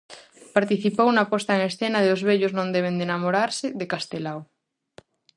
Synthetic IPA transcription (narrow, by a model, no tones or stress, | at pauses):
paɾt̪iθipownapɔst̪aeŋesθenaðeozβeʎʊznõnd̪eβ̞end̪enamoɾaɾsɪðekast̪elaw